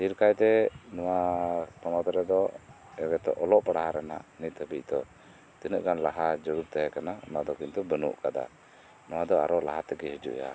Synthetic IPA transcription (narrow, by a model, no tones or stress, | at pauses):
hiɾkajt̪ɛnɔwapɔnɔt̪ɔɾɛd̪ɔ | ɛbɛt̪ɔ̰ʔɔlɔʔpaɽaɦaɾɛna̰ʔnit̪̚ˀhəbic̚ˀd̪ɔ | t̪inəʔɡanlaɦad͡ʒəɾuɾt̪ɛɦɛkananad̪ɔkint̪ubənṵʔkad̪a̰ | nɔwad̪ɔa̰ɾɔʔlaɦat̪əɡɛɦid͡ʒṵʔja̰